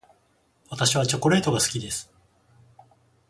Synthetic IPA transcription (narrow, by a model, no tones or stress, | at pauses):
βat̪aɕiβ̞at͡ɕo̞ko̞ɾe̞ːt̪o̞ɡasɨ̥kʲid̪e̞sɨ̥